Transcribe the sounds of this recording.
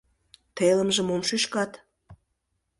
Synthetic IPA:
t̪eləmʒə̆momʃyʃkɑt̪

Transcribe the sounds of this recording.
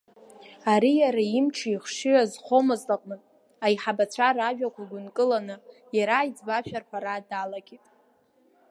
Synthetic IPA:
aɾijaɾaimt͡ʃʰaiχʂiazχo̞mɨzlaqʼmɨtʼ | aiħabat͡sʷʰaraʒᶣakʷʰaɡʷʊnkʼɨlanɨ | jaɾajd͡zbaʃᶣarħʷaɾaːdalaɡʲitʼ

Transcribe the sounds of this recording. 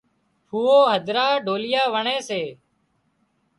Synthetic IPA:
huːoːɦəd̪ʱɾaːɖʱoːlɪjaːʋəɳeːseː

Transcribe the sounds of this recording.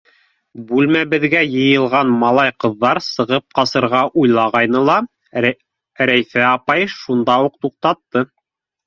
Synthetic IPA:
bʉlmæbɘ̆ðɡæjɤ̆jɤ̆lˠʁɑnmɑlˠɑjqɤ̆ðːɑɾsɤ̆ʁɤp̚qɑsɤ̆ɾʁɑʔujlˠɑʁɑjnɤlˠɑ | ɾæjθæɑpɑjʃund̪ɑuq̚t̪uq̚t̪ɑt̪ːɤ

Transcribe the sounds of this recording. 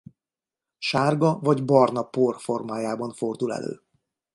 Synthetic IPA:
ʃaːrɡɒvɒɟbɒrnɒporfo̞rmaːjaːbɒɱfo̞rd̪ulɛ̰lø̰ː

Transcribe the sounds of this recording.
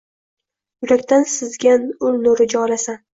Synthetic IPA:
jʊɾakʲt̪ʰansɪzɡʲanʊlnʊɾɪd͡ʒɒlasa

